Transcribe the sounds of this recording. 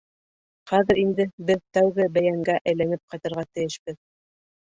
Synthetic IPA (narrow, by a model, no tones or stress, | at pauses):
χæðɘ̆ɾind̪ɘbɘðt̪æwɡɘbæjæŋɡæʔæjlænɘp̚qɑjt̪ɤ̆ɾʁɑt̪ɘ̆jɘʃbɘð